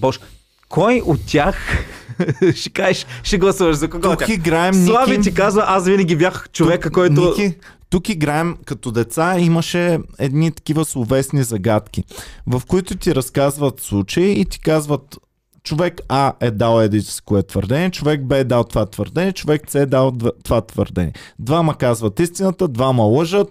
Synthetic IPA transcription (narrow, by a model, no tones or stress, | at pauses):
bɔʃɛ | kʰɔjʔot̪t̪ʲːax | ʃɛ̥kaɛʃʃɛɡlˠɐsuvɐʃzɐkɐkɔok̪ʲːaiɡɾaɛmnvavit̪ikazvɐʔasvinɐɡʲibjaxt͡ʃovvɛkəkɔjt̪ʊiki | t̪ukiɡɾaɛmkɐt̪ɔd̪ɛt̪saiməʃɛɛd̪nit̪ɐ̥kʲivəslˠovɛsnizɐɡat̪k̟ʲivɐfkoit̪ʊt̪ʲiɾɐskazvət̪slˠut͡ʃɐiːt̪i̥kazvət̪ | t͡ʃovɛkaɛd̪alˠɛd̪i̥si̥koɛt̪vəɾd̪ɛnɛt͡ʃovɛk̚bɛd̪alˠt̪ovat̪və̰ɾd̪ɛnɛt͡ʃovɛk̚t̪sɛd̪alˠt̪vat̪və̰ɾd̪ɛ̰n̰ʲɛd̪vaməkazvɐt̪ist̪inət̪əd̪vamɐlˠɤʒət̪̚